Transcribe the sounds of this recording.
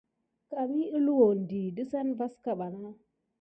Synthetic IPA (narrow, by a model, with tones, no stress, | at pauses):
ka˨mi˦i˦lu˦wo˨n˨di˨ɗi˦sa˦nva˦ska˨ɓa˨na˦